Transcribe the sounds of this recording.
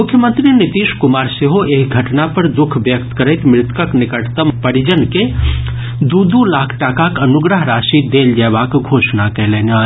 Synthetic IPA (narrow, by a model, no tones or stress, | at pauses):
mʊkʰjəmə̃nt̪ɾinɪt̪iːʃkʊmaːɾseɦoeːkɡʱəʈnapɐɾd̪ʊkʰʋjək̚t̪kəɾəɪt̪mɾɪt̪kəknɪkəʈt̪əmpəɾid͡ʒənke | d̪uːd̪ulaːkʰʈaːkakənʊɡɾəɦɾaːʃid̪eːld͡ʒɛːʋakɡʱoːʃnakɛɦleːnaː